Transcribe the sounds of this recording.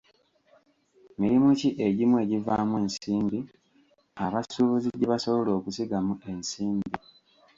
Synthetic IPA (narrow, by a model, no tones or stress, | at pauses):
miɾimuciʔe̞ɟimwe̞ːɟivamwe̞ːnsiːmbi | aβasuβuziɟeβasoβo̞lo̞ːkusiɡamue̞nsiːmbi